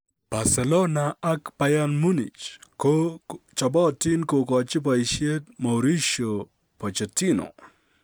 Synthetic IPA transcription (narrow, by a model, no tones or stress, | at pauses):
b̥asɛlɔnaakpajanmunḭt͡ʃkot͡ʃɔbɔtinkokɔt͡ʃɪp̬aiʃjet̪mɔwɾiʃo | pɔt͡ʃetino̰